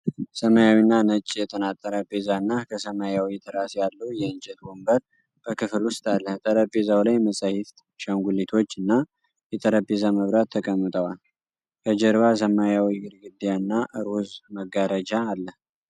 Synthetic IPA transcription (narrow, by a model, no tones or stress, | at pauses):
səmajawinːanət͡ʃʼːjɛt̪ʰənat̪ʼːəɾəbezanːakʰəsəmajawit̪ʰɨɾasjalːəwjɛɨnt͡ʃʼɛt̪̚bombəɾ | b̥əkʰɨflwʊst̪ʼalːəht̪ʼəɾəbezawlajməsʼahɪft̪ | ʃaŋɡʷulet̪ʰo̞t͡ʃːɨnːa | jɛt̪ʼəɾəbe̞zaməβɾat̪ʰːəkʼəmːɨt̪ʼəwal | kʰəd͡ʒɛɾβas̬əmajawiɡɨɾɡɨd̪ːjanːaʔɨɾozməɡaɾəd͡ʒaːlːəh